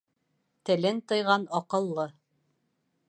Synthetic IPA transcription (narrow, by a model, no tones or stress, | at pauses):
t̪ɘ̆lɘnt̪ɤ̆jʁɑnɑqɤ̆lˠːɤ